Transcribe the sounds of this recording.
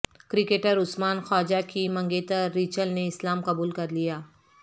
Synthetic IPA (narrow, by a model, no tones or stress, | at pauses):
kɾɪkeːʈəɾʊsmaːnxɔːd͡ʒakimɐ̃ŋɡeːt̪əːiːt͡ʃəlneɪslaːmqɐbuːlkɐɾlijaː